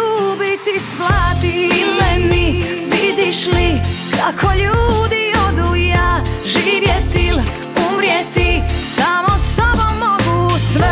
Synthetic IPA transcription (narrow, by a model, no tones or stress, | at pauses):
uːbit̪isplat̪ilɛni | ʋid̪iʃlikʰakʰoʎuːd̪iod̪ujaʒiːʋjɛt̪il | umɾjɛt̪isaːmost̪ɔbomːɔɡusm